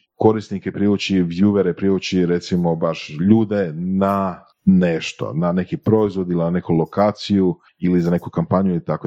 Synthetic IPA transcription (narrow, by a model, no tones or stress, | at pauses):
ko̞ɾisnikepɾiʋut͡ɕiʋjuʋeɾepɾiʋut͡ɕiɾe̞t̪simo̞baʃʎuːd̪ena | neʃt̪o̰nane̞kipɾo̞izʋo̞d̪ilinane̞kulˠokaːt̪siju | ilizane̞kukampaɲuilit̪ako